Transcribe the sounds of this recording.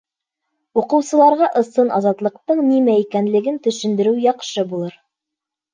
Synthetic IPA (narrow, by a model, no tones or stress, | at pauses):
uqɤ̆wsɤ̆lˠɑɾʁɑʔɤ̆sɤnɑzɑt̪lˠɤ̆q̚t̪ɤɴnimæikænlɘ̆ɡɘnt̪ɵ̆ʃɘ̆nd̪ɘ̆ɾɘwjɑqʃɤbulˠɤɾ